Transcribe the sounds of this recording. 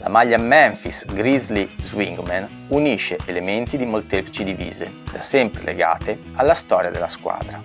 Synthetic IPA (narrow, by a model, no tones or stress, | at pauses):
la̰maʎːamɛɱfisɡɾizlizwiŋɡman | uniʃeʔelement̪id̪imolt̪ɛplit͡ʃid̪ivḭːzḛd̪asɛmpɾḛlḛɡa̰ːt̪e | alːast̪ɔːɾjad̪elːaskwa̰ːd̪ɾa